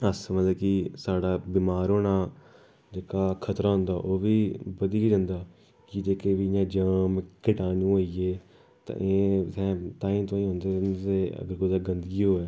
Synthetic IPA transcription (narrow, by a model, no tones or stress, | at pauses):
əsmət̪ləb̚kisaːɖaːbiːmaːɾoːnaː | d͡ʒeːkaːkʰət̪ɾaːɦʊ̃nd̪aːʔoːʋiːbəd̪iːiːd͡ʒãːnd̪aː | kɪd͡ʒeːkeːʋiːjãːd͡ʒəmkɪʈaːnũːoːieː | t̪ã̰ːʔeːsɛ̃ːt̪aːĩːt̪õːĩːɦõːnd̪eːnːeːə̰ɡəɾkoːd̪aːɡənd̪əɡiːɦoːɛː